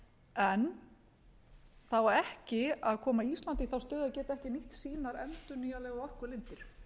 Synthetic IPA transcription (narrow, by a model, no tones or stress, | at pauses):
ɛn | θawvaɾɛhcɪaðkʰɔːmaiist̪lant̪ɪθawst̪œːðacɛːt̪aɛhcɪniht̪siːnaɾɛnt̪ʏɾniːjalɛːɣaðɔr̥kʏlɪnt̪ɪɾ̥